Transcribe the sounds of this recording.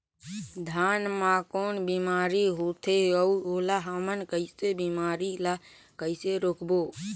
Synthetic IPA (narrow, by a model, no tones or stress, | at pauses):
d̪ʱaːnmakoːnbimaːɾiɦot̪ʰeəuoːlaɦəmənkəɪsebimaːɾila | kəɪseɾokboː